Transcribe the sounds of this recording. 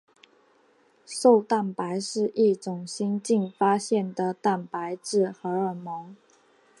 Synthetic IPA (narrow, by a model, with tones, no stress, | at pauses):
ʂo˥˧ʊt̪a˥˩npa˧˥ɪʂɻ̩˥˧ʔi˥˩ʈ͡ʂʊ˨˩ŋɕi˥nt͡ɕi˥˧ŋfa˥ɕjɛ˥˩nd̪ə˩t̪a˥˩npa˧˥ɪʈ͡ʂɻ̩˥˩xɤ˧˥ə˞˨˩mɔ˧˥ŋ